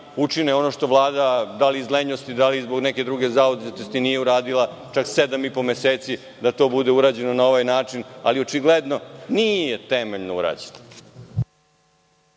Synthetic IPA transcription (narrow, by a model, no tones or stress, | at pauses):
ut͡ʂineo̞no̞ʃt̪o̞ʋlˠaːd̪ad̪aliːzleɲost̪id̪alizbo̞ɡnɛked̪ɾuɡe̞zaod̪zit̪ost̪inijeuɾaːd̪ilˠa | t͡ʃaksed̪amipo̞meseːt̪si | d̪at̪o̞ːbud̪e̞uɾaːd͡ʑe̞nonaoʋajnaːt͡ʂina̰lio̞t͡ʃiɡled̪no̞nijjet̪emeʎnoṵɾa̰ːd͡ʑena